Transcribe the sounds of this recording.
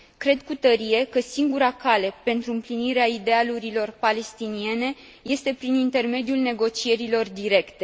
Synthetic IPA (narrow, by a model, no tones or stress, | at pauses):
kɾe̞d̪kut̪əɾie̞kəsiŋɡuɾakale̞pe̞nt̪ɾuɨmpliniɾeaid̪e̞aluɾilo̞rpale̞st̪inie̞ne̞ | je̞st̪e̞pɾinint̪e̞rme̞d̪iulne̞ɡo̞t͡ʃie̞ɾilo̞rd̪iɾe̞kt̪e̞